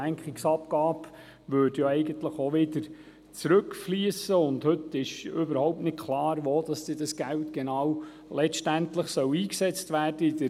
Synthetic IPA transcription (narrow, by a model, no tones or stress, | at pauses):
æŋkχiksɑpɡ̥ɑːb | ʋøːɾdjoɛɪɡənt̪ləχoʋɪdəɾ | t͡sɾɵkfliːəsəʊndhɵt̪ːɪʃʏbəɾhɔʊp̚tnɪt̚kʰlɑːɾʋoːd̥̪ɑsd̥̪iːd̥ɑsɡ̥æltɡ̥ɛnɑːw | lɛʃtæntləχsœwiːksɛt͡stʋæːrd̥əid̥ə